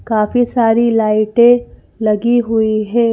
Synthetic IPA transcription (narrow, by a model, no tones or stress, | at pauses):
kaːfisaːɾilaːɪʈẽ | lɐɡiɦʊiɦɛ̃ː